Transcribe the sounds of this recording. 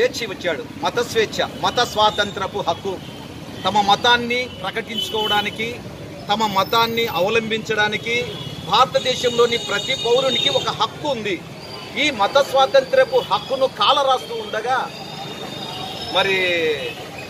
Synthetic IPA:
eːt͡ʃʰiʋɐt͡ʃːaːɽumɐt̪ɐsʋeːt͡ʃʰɐmɐt̪ɐsʋaːt̪ɐnt̪ɾɐpuɦɐkːu | t̪ɐmɐmɐt̪aːnːipɾɐkɐʈiɲt͡ʃu̥kɔːʋɐɽaːniki | t̪ɐmɐmɐt̪aːnːiʔɐʋɐlɐmbʱiɲt͡ʃɐɽaːnikibʱaːɾɐt̪ɐd̪ɛːʃɐmlo̞ːnipɾɐt̪ipɐwɾunikiɔkɐɦɐkːuːnd̪i | iːmɐt̪ɐsʋaːt̪ɐnt̪ɾɐpuhɐkːunukaːlɐɾaːst̪uːɳɖɐɡaː | mɐɾi

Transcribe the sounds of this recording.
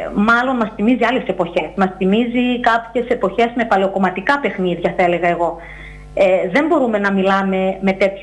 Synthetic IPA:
mɐlo̞nmɐst̪imiziɐle̞se̞po̞çe̞smɐst̪imizikɐpçe̞se̞po̞çe̞zme̞pɐle̞o̞ko̞mɐt̪ikɐpe̞xniðʝɐθɐele̞ɣɐeɣo̞ | eðe̞mbo̞ɾume̞nɐmilɐme̞me̞t̪e̞t̪ç

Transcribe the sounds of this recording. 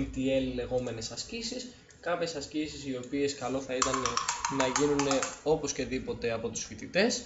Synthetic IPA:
t̪ie̞lle̞ɣo̞me̞ne̞sɐscisis | kɐpçe̞sɐscisisio̞pie̞skɐlo̞θɐit̪ɐnenɐʝinune̞o̞po̞sce̞ðipo̞t̪e̞ɐpo̞t̪usfit̪it̪e̞s

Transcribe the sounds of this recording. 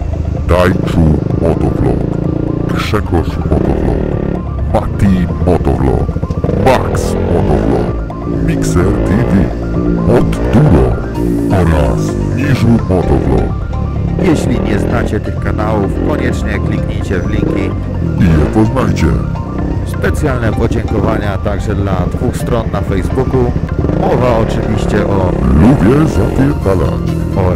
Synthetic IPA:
d̪ajt͡ʂumɔt̪ɔvlɔ̰kkʂɛkɔʂmɔt̪ɔ̰vlɔ̰k | mat̪imɔt̪ɔ̰vlɔ̰kbaksmɔt̪ɔvlɔ̰k | mʲiksɛɾt̪ʰivʲi | mɔd̪d̪uɾɔ | ɔɾas | ɲiʐumɔt̪ɔvlɔ̰k | jɛɕlʲiɲɛznat͡ɕɛt̪ɘxkanawufkɔɲɛt͡ʂɲɛklʲikɲit͡ɕɛvlʲiŋkʲi | ijɛpɔznajt͡ɕɛ̰ | spɛt̪sjalnɛpɔd͡ʑɛŋkɔvaɲat̪aɡʐɛd̪lad̪vuxst̪ɾɔnːafɛjzbukumɔvaɔt͡ʂɘvʲiɕt͡ɕɛʔɔlubʲjɛzapʲjɛt̪ala̰t͡ɕɔ

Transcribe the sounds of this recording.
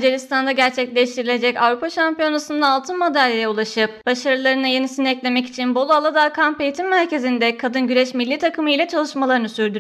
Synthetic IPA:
d͡ʒeɾist̪ʰand̪aɟæɾt͡ʃʰɛclʲɛʃt̪ʰiɾilʲe̞d͡ʒɛcavɾupaʃampijo̞nasɯnd̪aːlˠt̪ʰɯnmad̪aɾʲejɛulˠaʃɯp̚b̥aʃaɾɯlˠaɾɯnɯje̞nisinɛclʲe̞mɛci̥t͡ʃʰinbo̞lˠualˠad̪akʰampe̞jit̪ʰimːæɾce̞zind̪ɛkʰad̪ɯnɟyɾɛʃmilʲːiːt̪ʰakɯmɯjilʲɛt͡ʃʰalˠɯʃmalˠaɾɯnɯsyɾd̪yɾ

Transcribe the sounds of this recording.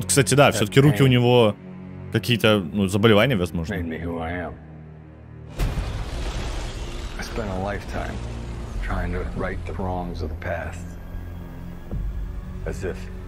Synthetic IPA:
ot̪kst̪atʲɪd̪afsʲot̪əkʲɪɾukʲɪʊnʲɪvo | kɐkʲijət̪ənuzəbəlʲɪvanʲɪjəvɐzmo̞ʐneə̃nmihuaɪɨ̃m | aɪspɛ̃ndəlaɪftʰã̰ɪ̃mtʰɹ̥aɪɪ̃ŋtʰɨɹaɪt̪̚ðəɹɔ̃ŋzʌvðəpʰæst | ɨzɪf

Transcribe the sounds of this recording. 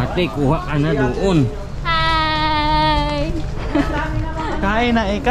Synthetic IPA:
at̪ekuɦaʔanaduʔun | a | kainaika

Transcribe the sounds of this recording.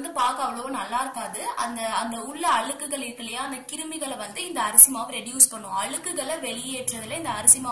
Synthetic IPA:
nd̪ɯpaːɾkɐɐʋɐɭonɐlːaːɪɾɯkːaːðɯʔɐ̰nd̪ɐɐnd̪ɐʊɭːɐɐɭɯkːɯɣɐɭɪɾkːɯɭɐjãːɐnd̪ɐkɪɾɯmɪɣɐɭʋɐnd̪ɯɪnd̪ɐɐɾɐsɪmaːʋɐɾɛɖjuːspɐɳːʊ̃ɐɭɯkːɯɣɐɭɐʋɛɭɪjeːʈrɐðɪlɐɪnd̪ɐːɾɐsɪmaː

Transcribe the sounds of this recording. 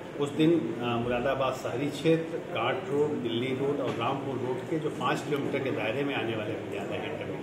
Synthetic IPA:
ʊsd̪ɪnmʊɾaːd̪abaːdsɐɦɾit͡ʃʰeːt̪ɾkaːɾʈɾoːʈd̪ɪlːiɾoːʈɔːɾɾaːmpulɾoːʈked͡ʒoːpãːt͡ʃkɪloːmiːʈəɾked̪aːɦɾemẽaːneʋaːlebɪd̪jaːd̪aɦɛ̃ʈmẽ

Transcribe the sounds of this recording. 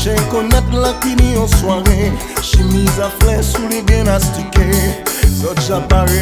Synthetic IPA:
ʒɛ̃kɔnɛt̪lapinĩɔ̃swaʁe | ʃimizaflɛsuleɡɛ̃nastikesɔʒaba

